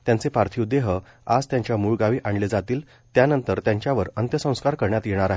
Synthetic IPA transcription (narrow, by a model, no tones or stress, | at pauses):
t̪jãnt͡sepaɾt̪ʰiud̪eɦə | ad͡zt̪jaɲt͡ɕjamuɭɡaʋiːʔaɳled͡zat̪iːl | t̪janənt̪əɾt̪jãɲt͡ɕjaʋəɾənt̪jəsə̃w̃skaɾkəɾɳjat̪jeɽ̃aɾaɦe